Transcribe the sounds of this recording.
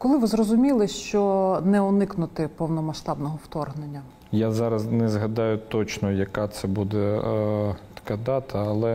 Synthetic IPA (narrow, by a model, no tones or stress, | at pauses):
kɔlˠɪʋɪzrɔzʊmʲilˠɪʃt͡ʃɔnɛɔnɪknʊt̪ɪpɔwnɔmɐʃt̪ɑbnɔɦɔwt̪ɔrɦnenʲːɐ | jazɑɾɐznɛzɦɐd̪ɑjʊt̪ɔt͡ʃnɔjɐkɑt̪sɛbud̪ɛ | t̪ɐ̥kɑd̪ɑt̪ʰɐːlˠɛ